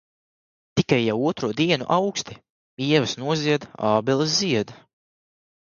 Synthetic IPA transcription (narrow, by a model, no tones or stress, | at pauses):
t̪ikajːawuɔt̪ɾuɔd̪iɛnṵʔawkst̪i | iɛvɨsnuɔziɛd̪aːbɛlˠɨsziɛd̪